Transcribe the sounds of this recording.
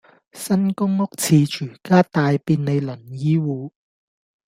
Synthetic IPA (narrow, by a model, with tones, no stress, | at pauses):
sɐ˥nkʊ˥ŋʊ˥k̚t͡sʰiː˨˧t͡ʃʰyː˨˩kaː˥t̪aː˨˧jpiː˧nne˨˧jlɵ˨˩njiː˥wuː˨˧